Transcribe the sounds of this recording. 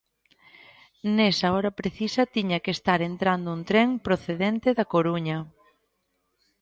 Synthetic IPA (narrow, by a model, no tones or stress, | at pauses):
nesaɔɾɐpɾeθisɐt̪iɲɐkest̪aɾent̪ɾand̪ʊunt̪ɾeŋpɾoθeðent̪eðɐkoɾuɲɐ